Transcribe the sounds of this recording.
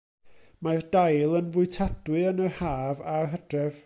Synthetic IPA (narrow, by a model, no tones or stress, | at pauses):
mardajlˠənvʊɨtʰad̥wɨənəhaːvaɦəd̥rɛv